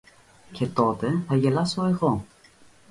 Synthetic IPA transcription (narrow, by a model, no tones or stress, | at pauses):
ce̞t̪o̞t̪e̞θɐʝe̞lɐso̞e̞ɣo